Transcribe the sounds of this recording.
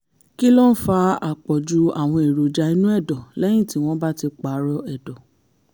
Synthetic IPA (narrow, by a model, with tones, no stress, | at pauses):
ki˦lɔ˦n̩˦fa˧a˨k͡pɔ˨d͡ʒu˧a˦˨w̃ɔ̃˧e˨ɾo˨d͡ʒa˧ĩ˧˦nũ˦ɛ˦˨dɔ˨lɛ˦j̃ĩ˦˨ti˨˦w̃ɔ̃˦ba˦ti˧k͡pa˨˦ɾɔ˧ɛ˨dɔ˨